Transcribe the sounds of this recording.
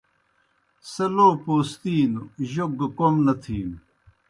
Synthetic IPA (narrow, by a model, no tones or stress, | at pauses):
sɐloːpoːst̪iːnuʑoɡkomnɐt̪ʰiːm